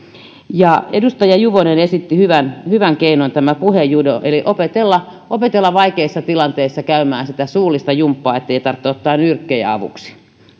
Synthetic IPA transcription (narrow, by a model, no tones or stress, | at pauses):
jɑedust̪ɑjɑjuʋonenesit̪ːihyʋænhyʋæŋkeinont̪æmæpuhejudoʔeliʔopet̪elːɑʔopet̪elːɑʋɑikeisːɑt̪ilɑnt̪eisːɑkæymæːnsit̪æsuːlist̪ɑjumpːɑːet̪ːeit̪ɑrt̪ːeot̪ːɑːnyrkːejæ̰ɑ̰ʋṵksi̥